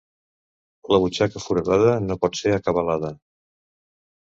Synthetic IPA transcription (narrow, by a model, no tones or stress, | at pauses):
ləβ̞ut͡ʃakəfuɾəðaðənopɔt̪seɾəkəβəlaðə